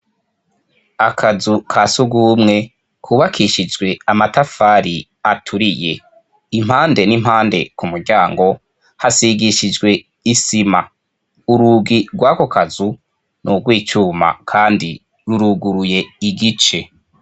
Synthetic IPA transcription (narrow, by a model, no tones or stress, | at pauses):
akʰazukʰasuɡuːmŋe̞ | kʰuːβakʰiʃid͡ʒɡwe̞amatafaːɾi | atʰuɾije̞̰ | im̥haːnde̞nim̥haːnde̞kumuɾɟaːŋɡo̞ | hasiɡiʃid͡ʒɡwe̞ | isima̰ | uɾuɡiɡwako̞kʰazu | nuɡwiːt͡ʃuːma̰kʰaːndi | ɾuɾuɡuɾuje̞iɡit͡ʃe̞